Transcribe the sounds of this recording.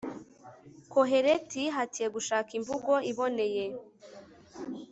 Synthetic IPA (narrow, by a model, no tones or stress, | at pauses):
koɦe̞ɾetiɦatije̞ɡuʃaːkiɱvuɡo̞iβo̞ne̞je